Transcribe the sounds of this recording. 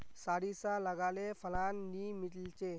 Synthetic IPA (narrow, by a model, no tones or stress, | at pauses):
saɽisaləɡalefʰəlanːimiʈlt͡ɕe